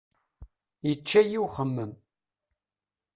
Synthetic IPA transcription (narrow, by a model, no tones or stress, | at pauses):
jət͡ʃːæjiwχəmːəm